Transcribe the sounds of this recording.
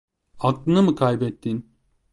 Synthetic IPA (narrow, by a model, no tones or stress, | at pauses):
aklˠɯnɯmɯkʰajbɛt̪ːin